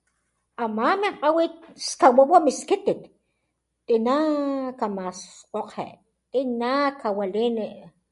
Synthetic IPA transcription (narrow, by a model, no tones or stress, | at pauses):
amaːmeɴqʼawit̪ʃkaɓaʔɓamiskit̪it̪ | t̪ʼinakamasqʼoqhḛʔ | t̪ʼinakawaleːneʔ